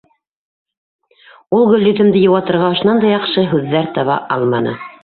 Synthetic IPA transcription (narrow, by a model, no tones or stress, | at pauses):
ulˠɡɵ̆lʲːɵt̪ɘ̆md̪ɘjŏwɑt̪ɤ̆ɾʁɑŏʃ̆nɑnd̪ɑjɑqʃɤɦʉðːæɾt̪ɑβɑ̰ʔɑlˠmɑnɤ̰